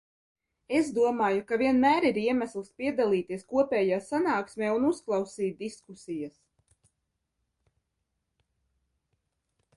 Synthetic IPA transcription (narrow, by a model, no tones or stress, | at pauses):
e̞zd̪uɔmaːjukaviɛnmæːɾiɾiɛmæslˠspiɛd̪alˠiːt̪iɛskuɔpʲɛːjaːsanaːksmʲɛːunusklˠɑwsiːt̪̚d̪iskusijas